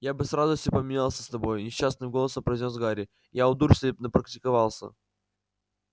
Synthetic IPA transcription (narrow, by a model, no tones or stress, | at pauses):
jabɨsɾazʊsʲt̪ʲɪpəmʲɪnʲalˠsʲəst̪ɐbo̞jnʲɪɕːasnɨmɡo̞lˠəsəpɾɐjzʲnʲosɡaɾʲɪ | jaʊd̪urfʲsʲepʲnəpɾəktʲɪkɐvalˠsʲə̰